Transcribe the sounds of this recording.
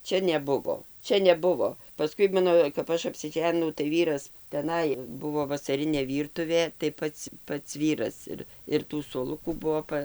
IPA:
ˈt͡ʃʲɛ nʲɛˈbʊʋoː ˈt͡ʃʲɛ nʲɛˈbʊʋoː pɐˈskʊɪ ˈmɑːnoː kɐp ˈɐʃ ɐpʲsʲɪˈʒʲæːnʲɪnɐʊ tɐɪ ˈʋʲiːrɐs tʲɛˈnɐɪ ˈbʊʋoː ʋɐsɐˈrʲɪnʲeː ˈʋʲiːrtʊʋʲeː tɐɪ ˈpɐts ˈpɐts ˈʋʲiːrɐs ɪr ɪr ˈtuː suɔˈlˠʊkuː ˈbʊʋoː ˈpɐ

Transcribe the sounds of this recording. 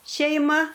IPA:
ʃʲɛɪˈmɐ

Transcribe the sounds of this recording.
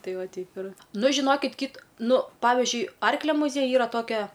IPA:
ˈtɐɪ ˈʋɐ ˈtʲɛɪp ɪr ˈnʊ ʒʲɪˈnoːkʲɪt kʲiːt ˈnʊ ˈpɑːʋʲɪʒʲʊɪ ˈɐrklʲɛ mʊˈzʲiɛjʊj ˈiːrɐ ˈtoːkʲɛ

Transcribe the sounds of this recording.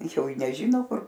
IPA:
ˈjɛʊ ɪ nʲɛˈʒʲiːnoː ˈkʊr

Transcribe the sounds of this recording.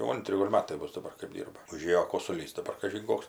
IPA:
jɛʊ ˈɐnʲtʲrʲɪ ˈɡoːlʲ ˈmɑːtɐɪ ˈbʊs dɐˈbɐr kɜp ˈdʲiːrbɐ ʊˈʒʲeːjoː koːsʊˈlʲiːs dɐˈbɐr kɐʒʲɪn ˈkoːks

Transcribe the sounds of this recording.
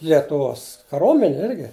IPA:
lʲiɛtʊˈʋoːs kɐˈroːmʲɛnʲeː ˈɪrʲɡʲɪ

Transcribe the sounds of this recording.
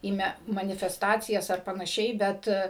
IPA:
iː ˈmʲɛ mɐnʲɪfʲɛsˈtɑːt͡sʲɪjɛs ɐr pɐnɐˈʃʲɛɪ ˈbʲɛt

